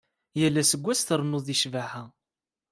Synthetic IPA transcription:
jælːæsəɡʷːæsθəɾˤnʊðˤiʃvaʕhæ

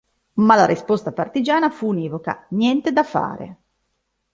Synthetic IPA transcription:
malaɾispost̪apart̪id͡ʒaːnafuːnɛːvoka̰njɛnt̪ed̪afa̰ːɾḛ

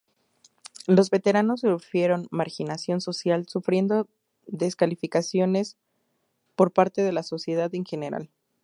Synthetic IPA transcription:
lo̞zβe̞t̪e̞ɾano̞sufje̞ɾo̞nmaɾxinasjo̞nso̞sjalsufɾje̞nd̪o̞ | ðe̞skalifikasjo̞ne̞s | po̞ɾpaɾt̪e̞ð̞e̞laso̞sje̞ðaðeŋxe̞ne̞ɾa̰l

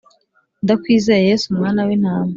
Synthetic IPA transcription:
ndakwiːzeɾejesumŋaːnawenhaːme

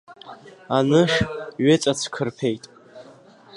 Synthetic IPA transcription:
anɨʃɥɪt͡sʼat͡sʰkʰɨrpʰe̞jtʼ

